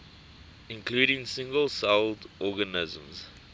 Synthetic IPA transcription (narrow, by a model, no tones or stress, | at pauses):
ɪ̃nkʰluːɾɪ̃ŋsɪ̃ŋɡəlˠsaldʔɔɡənɪzə̰̃mz